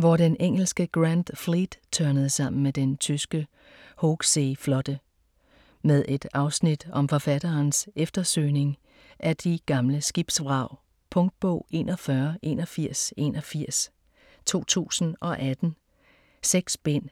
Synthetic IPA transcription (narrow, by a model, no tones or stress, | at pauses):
ʋɒd̥eneŋ̰l̩sɡ̥əɡ̥ʁænd̥flid̥t͡sʰɶɐnəð̩ˠsɑ̈m̰n̩med̥ent͡sʰysɡ̥ə | hoɡ̥seːflɒ̽d̥ə | með̞ˠʔe̝d̥ɑ̈ʊsnid̥ɒ̽mfɒ̽fæd̥ɐːnsefd̥ɐsø̰ːne̝ŋ | ʔæɐd̥iɡ̥ɑ̈mləsɡ̥ib̥sʋʁɑ̈ʊ̰ | pʰɔ̽ŋd̥̚b̥ɔ̰ʊ̰e̝̰ːnʔɒfɶɐʔe̝̰ːnɒ̽fiɐ̰se̝̰ːnɒ̽fiɐ̰s | t͡sʰo̝̰ːt͡sʰṵːsn̩ɒ̽ʔæd̥n̩ | seɡ̥sb̥en̰